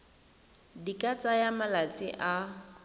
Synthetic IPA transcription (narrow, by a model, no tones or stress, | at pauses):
dikʼat͡sʼajamalat͡sʼɪʔa